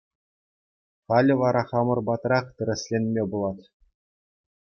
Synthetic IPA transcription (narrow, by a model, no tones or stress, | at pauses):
χɑlʲɘ̆ʋɑɾʔɑχɑmɤ̆rbɑt̪rɑχt̪ɘ̆ɾʲɘ̆sʲlʲenʲmʲebulˠɑt̪ʲ